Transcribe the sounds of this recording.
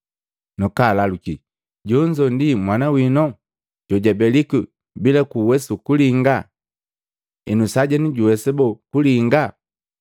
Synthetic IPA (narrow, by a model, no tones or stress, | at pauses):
nɔkalaluki | ɟɔɲd͡ʒɔndimwanawinɔ | ɟ̥ɔɟabɛliku | bilakuwɛsukuliŋɡa | ɛnusaɟɛniɟuwɛsɛbɔkuliŋɡa